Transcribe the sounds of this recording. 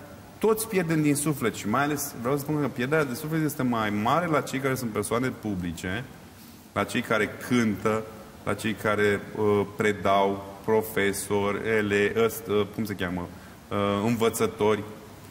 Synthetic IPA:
t̪o̞t̪sʲpje̞rd̪e̞md̪insufle̞t̪ʃimajale̞sʲvɾeaws̬əspunkəpjerd̪eɾead̪e̞suflet̪je̞st̪e̞majmaɾe̞lat͡ʃe̞jkaɾe̞sunt̪̚peɾsoane̞publit͡ʃe̞ | lʔat͡ʃe̞jkaɾe̞kʰɨnt̪ə | lʔa̰t͡ʃe̞jkaɾe̞əpɾe̞d̪awpɾo̞fe̞so̞rʲeleʔəst̪əkumsekʲamə | əɨnvət̪sət̪o̞rʲ

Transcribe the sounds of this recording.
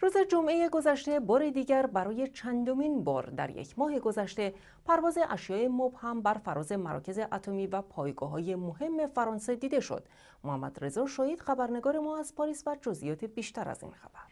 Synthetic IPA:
ɾuːze̞d͡ʒomʔe̞jeɡo̞zæʃt̪e̞bɒːɾed̪iːɟæɾbæɾɒːje̞t͡ʃʰænd̪o̞miːnbɒ̰ːɾd̪æ̰ɾjḛcʰmɒːɦeɡo̞zæʃt̪e̞ | pʰæɾvɒːze̞ʔæʃjɒːʔemobhæmbæɾfæɾɒːze̞mæɾɒ̰cʰe̞ze̞ʔæt̪ʰo̞miːvæpʰɒːjɡɒ̰ːɦɒːje̞mohe̞mːe̞fæɾɒːnse̞d̪iːd̪e̞ʃo̰d̪̥ | mohæmːæ̰d̪̥re̞zɒʃɒːhiːd̪̥xæbæɾne̞ɡɒːɾe̞mɒːæzpʰɒɾiːsvæd͡ʒozʔḭjɒːt̪ʰebiːʃt̪æɾæ̰z̥ḭːnxæb̥æɾ

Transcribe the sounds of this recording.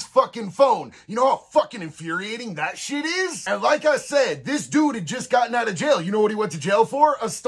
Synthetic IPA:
sfʌkɪ̃nfõʊ̃njɨñoʊəfʌkɨ̃nɨ̃ɱfjʊɹieɪɾɪ̃ŋðɨtʃɪɾɪz̥ɨ̃nlaɪkaɪsɛd̪̚ðɪsd̥uɾɨd̚d͡ʒʌsɡ̥ɑʔn̩əɾɨd͡ʒeɪlˠjɨñoʊwʌɾ̚iwʌ̃ntɨd͡ʒeɪlˠfə˞əst

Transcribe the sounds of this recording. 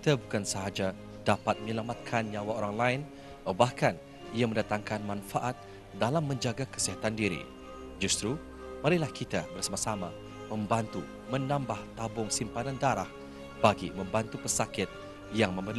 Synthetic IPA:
kit̪abukansəɦad͡ʒa | dapat̪̚məɲəlamat̪̚kʰanɲawaoɾaŋlaɪn | abahkan | iaməndat̪aŋkanmãnfaʔat̪̚ | dalamːə̃ɲd͡ʒaɡakə̥siɦat̪andiɾḭ | d͡ʒust̪ɾu | maɾilahkʰit̪abərsamasama | mə̃mbant̪u | mə̃nãmbaht̪abʊŋsimpanandaɾah | b̥aɡḭmə̃mbant̪upəsakɪt̪̚ | jaŋməməl

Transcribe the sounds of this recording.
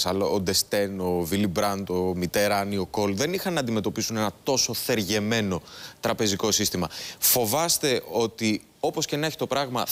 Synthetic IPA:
sɐloːd̪e̞st̪e̞no̞vilibɾɐnd̪omit̪e̞ɾɐnio̞ko̞lðe̞nixɐnːɐːnd̪ime̞t̪o̞pisune̞nɐt̪o̞so̞θe̞ɾʝe̞me̞no̞t̪ɾɐpe̞ziko̞sist̪imɐfo̞vɐst̪e̞ʔo̞t̪i | o̞po̞sce̞nɐçi̥t̪o̞pɾɐɣmɐ

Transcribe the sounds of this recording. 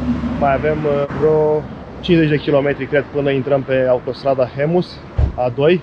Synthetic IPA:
majave̞mvɾo̞ | t͡ʃinze̞t͡ʃʲd̪e̞kʲilo̞me̞t̪ɾikɾe̞d̪̚pɨnəint̪ɾəmpe̞aut̪o̞st̪ɾad̪axemus | ad̪o̞j

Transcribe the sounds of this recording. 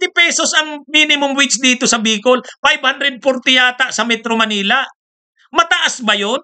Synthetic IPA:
t̪ɪpɛːsosɐŋmiːnɪmʊŋwɪt͡ʃsd̪iːt̪osɐbiːkolfajb̚hand̪ɾɛd̪̚foɾt̪ɪjaːt̪aʔsɐmɛt̪ɾomɐniːlaʔ | mɐt̪ɐʔasbɐjon

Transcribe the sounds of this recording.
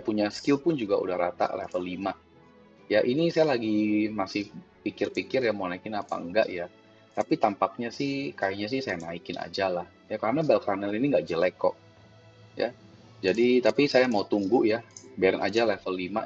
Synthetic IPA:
puɲaskɪlpʊnd͡ʒuɡaṵdahɾat̪a̰ʔlɛ̰fəlːima | jaʔinisajalaɡimasɪhpikɪrpikɪrjamaunaikɪnapa̰ŋɡa̰ʔja | t̪apit̪ampak̚ɲasɪhkajiɲas̬ɪhsajanaikɪna̰d͡ʒalah | jakaɾənabɛlkanɛliniŋɡaʔd͡ʒəlɛkːɔ̰ʔ | ja̰ | d͡ʒadit̪apisajamaut̪uŋɡʊʔjabaɾanʔa̰d͡ʒalɛfəlːima̰

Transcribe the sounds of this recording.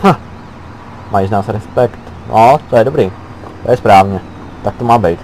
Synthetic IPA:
ha | mʔajiznaːsɾɛspɛkt̪ | nʔot̪ojɛdobɾiː | t̪ojɛspɾaːvɲɛ | t̪ak̚t̪omaːbɛjt̪

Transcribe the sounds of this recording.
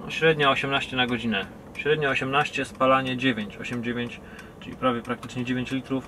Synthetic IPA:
ɕɾɛd̪ɲaɔɕɛmnaɕt͡ɕɛnaɡɔd͡ʑinɛ | ɕɾɛd̪ɲaɔɕɛmnaɕt͡ɕɛspalaɲɛd͡ʑevʲjeɲt͡ɕɔɕɛmd͡ʑevʲjeɲt͡ɕ | t͡ʂɨlʲḭpɾavʲjɛpɾak̚t̪ɘ̥t͡ʂɲɛd͡ʑevʲẽɲt͡ɕlʲit̪ɾuf

